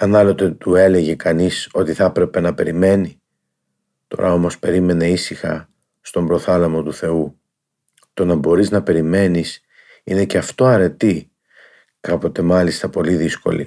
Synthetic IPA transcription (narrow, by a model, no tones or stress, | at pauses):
ɐnɐlo̞t̪e̞t̪ue̞le̞ʝe̞kɐniso̞t̪iθɐpɾe̞pe̞nɐpe̞ɾime̞ni | t̪o̞̰ɾʔɐ̰o̞mo̞spe̞ɾime̞ne̞isixɐ̰ | st̪o̞mbɾo̞θɐlemo̞t̪uθe̞u | t̪o̞nɐbo̞ɾiznɐpe̞ɾime̞nis | ine̞ce̞ɐft̪o̞ɐɾe̞t̪i | kɐpo̞t̪e̞mɐlist̪ɐpo̞liðisko̞̰lḭ